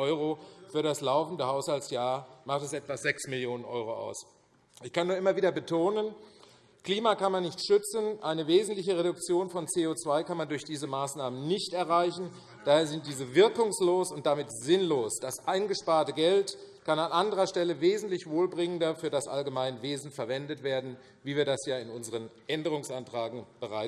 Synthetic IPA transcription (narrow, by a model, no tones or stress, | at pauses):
ɔʏʁofyːɐɾaslaʊfn̩dəhaʊshalsjaːɐmaχtɛsʔɛtv̥azɛksmɪljoːnənʔɔʏʁoʔa̰ʊs | ʔɪçkʰanːuːɐʔɪmɐviːdɐbətʰoːnən | kl̥iːmaːkanmanːɪçtʃʏt͡sn̩ʔaɪnəveːzn̩tlɪçəʁedʊkt͡sjoːnfɔnt͡seːoːt͡sv̥aɪkanmandʊɐçd̥iːzəmaːsnaːmənnɪçtɛɐʁaɪçn̩ | d̥aːheːɐzɪnt̚d̥iːzəvɪɐkʊŋsloːsʊnt̚d̥amɪtz̥ɪnloːsd̥asʔaɪnɡəʃpaːɐtəɡɛltkananʔandəʁɐʃtɛləveːzn̩tlɪçv̥oːlbʁɪŋəndɐfyːɐdasʔalɡəmaɪnəveːzn̩fɛɐvɛndətv̥eːɐdn̩ | viːviːɐdasjaːɪnʊnzəʁənʔɛndəʁʊŋsʔantʁ̥aːɡŋ̩b̥əʁaɪ